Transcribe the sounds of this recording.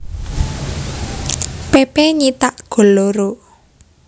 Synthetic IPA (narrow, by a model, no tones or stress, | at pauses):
pepeɲit̪aʔɡ̥o̤loɾo